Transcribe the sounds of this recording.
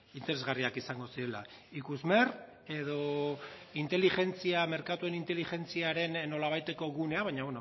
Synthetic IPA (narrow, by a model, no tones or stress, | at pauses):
int̪eɾe̞zɣariakisaŋɡo̞siɾe̞la̰ | ikuzme̞r | e̞ðo̞ | int̪e̞lixe̞nt͡siame̞ɾkat̪ue̞nint̪e̞lixe̞nt͡siaɾe̞nːo̞laβajt̪e̞ko̞ɣune̞aβaɲaβweno